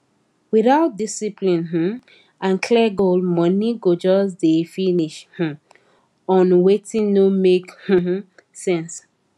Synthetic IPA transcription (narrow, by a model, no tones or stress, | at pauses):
wiθaʊt̚disiplĩnɦ̩ | ãnkʰlɛɡolmɔniɡod͡ʒɔs̬definiʃh̩ | ɔ̃nwetĩnnomekh̩ | sɛ̃ns